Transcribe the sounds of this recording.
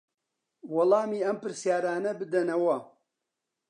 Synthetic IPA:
wɐlˠɑːmiːɐmpɨɾsjaːɾaːnɐbɨd̪ɐnɐwɐ

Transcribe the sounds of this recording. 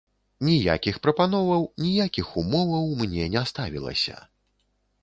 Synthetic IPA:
nʲija̰kʲixpɾɐpan̪ɔvɐwnʲijakʲixumɔvɐwmnʲɛnʲɛst̪avʲḭlˠɐ̰sʲɐ̰

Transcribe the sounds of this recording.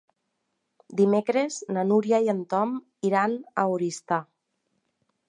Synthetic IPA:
d̪imekɾeznanuɾjaiant̪ɔm | iɾanawɾist̪a

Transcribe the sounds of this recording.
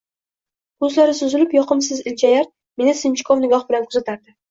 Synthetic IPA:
kʊzlaɾɪsʊzɪlɪpjɒqɨms̬ɪzɪlt͡ʃʰajaɾt̪̚ | me̞nɪsɪnt͡ʃʰɪ̥kʰɒvnɪɡʲɒχbɪlanqʰʊzat̪ʰaɾd̪ɪ

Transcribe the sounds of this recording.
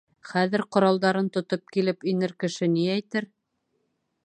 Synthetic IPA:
χæðɘ̆ɾqŏɾɑlˠd̪ɑɾɤnt̪ŏt̪op̚kilɘpinɘɾkɘ̆ʃɘniæjt̪ɘɾ

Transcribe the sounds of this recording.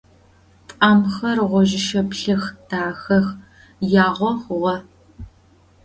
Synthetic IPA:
pʼaːmxɐrʁʷɔʒɪʃɐpɬɨxd̥aːxɐx | jaːʁʷɔχʷʊʁɐ

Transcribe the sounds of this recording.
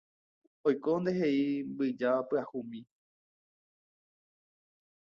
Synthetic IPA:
ojkond̪e̞ɦeimbɨd͡ʒaapɨahumĩ

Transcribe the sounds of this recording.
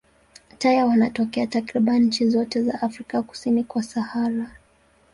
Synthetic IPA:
tajawanatɔkɛatakɾiɓanɲ̩t͡ʃizɔtɛza̰ʔafɾikaku̥sinikwasahala

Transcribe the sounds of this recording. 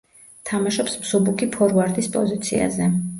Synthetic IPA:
t̪ʰamaʃɔpsmzɔbukʰipʰɔɾvaɾd̪ʼispʼɔzit̪sʰḭa̰zɛ

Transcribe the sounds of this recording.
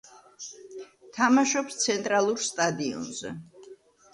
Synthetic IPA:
t̪ʰamaʃɔpst̪sʰɛnt̪ʼɾalˠuɾst̪ʼad̪iɔ̰nzɛ̰

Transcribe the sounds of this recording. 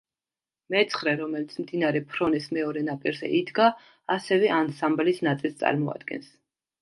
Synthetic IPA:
mɛt̪sʰχɾɛɾɔmɛlit̪sʰmd̪inaɾɛpʰɾɔnɛsmɛɔɾɛnapʼiɾzɛ̰ʔid̪ɡaː | sɛvɛʔansamblisnat̪sʼilˠst̪ʼa̰ɾmɔa̰d̪̚ɡɛ̰ns

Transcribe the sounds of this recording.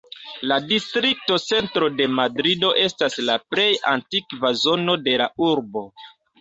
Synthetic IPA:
ladistɾik̚to̞t͡se̞ntɾo̞de̞madɾido̞ʔe̞staslaple̞ja̰ntikvazo̞no̞de̞lauɾbo̞

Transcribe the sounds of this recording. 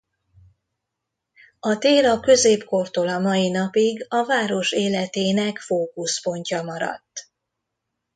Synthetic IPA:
ɒt̪eːlɒkø̞zeːpko̞rt̪oːlɒmɒjinɒpiɡɒvaːɾo̞ʃeːlɛt̪eːnɛkfoːkuspo̞ɲcɒmɒɾɒ̰t̪ː

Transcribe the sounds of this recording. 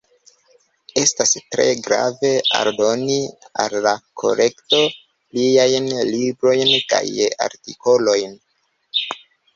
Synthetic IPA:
e̞stastɾe̞̰ɡɾa̰ve̞a̰ɾdo̞nia̰lːakʰo̞̰ɾʔe̞kto̞ | liajnlibɾo̞jnka̰ja̰ɾtiko̞lo̞jn

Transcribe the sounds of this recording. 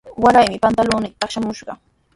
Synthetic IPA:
waɾajmɪpant̪alʊːnɪk̚t̪ɑχʃamʊʃɢɑ̰

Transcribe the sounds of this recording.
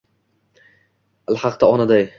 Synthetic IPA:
alħɑqd̪aɒnad̪aj

